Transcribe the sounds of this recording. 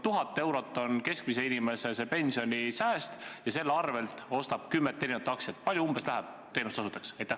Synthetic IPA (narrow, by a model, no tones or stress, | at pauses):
t̪uɦɑt̪ːˑe̞wɾo̞t̪ːˑo̞nke̞skmise̞inimese̞se̞pe̞nʲsio̞nʲisæːst̪jɑse̞lːeɑrve̞lt̪ˑo̞st̪ɑb̥kymːet̪ːe̞ːinut̪ːˑɑksjɑt̪ːˑpɑlʲjuumb̥e̞slæɦæb̥̚ | t̪e̞nust̪ɑsut̪ːˑɑksɑjt̪æh